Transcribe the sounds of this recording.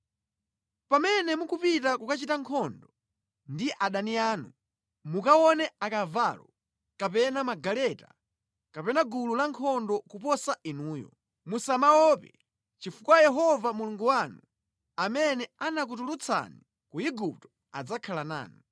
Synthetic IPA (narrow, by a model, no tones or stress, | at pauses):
pamɛnɛmukupitakukat͡ʃitaŋkʰɔndɔ | ndiʔaɗaniaːnu | mukawɔnɛakavalɔ | kapɛnamaɡalɛta | kapɛnaɡululaŋkʰɔndɔkupɔsainuːjɔ̰ | musamawɔpɛ | t͡ʃifukwajɛɦɔvamuluŋɡuwanu | amɛnɛanak̬utulut͡sʰa̰ni | kuiɡup̚tɔ̥ | a̰d͡zakʰalana̰ːnu